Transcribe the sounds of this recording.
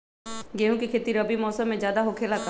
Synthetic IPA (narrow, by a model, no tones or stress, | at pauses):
ɡeɦũkikʰeːt̪iɾɐbimɔːsəmːẽd͡ʒjaːd̪aɦokʰelaɡ